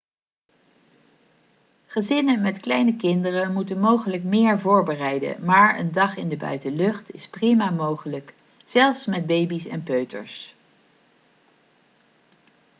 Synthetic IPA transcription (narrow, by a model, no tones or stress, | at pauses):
χəzɪnəmɛtklɛjnəkɪndərəmutənmowχələkmɪːɹvʊːɹbərɛjdə̰maːɹə̰ndɑχɪndəbœ̰ɥtəlɵχtɪsprimamowχələk | z̥ɛlˠfsmɛd̚bejbisɛ̰npøɥtə̰ɹs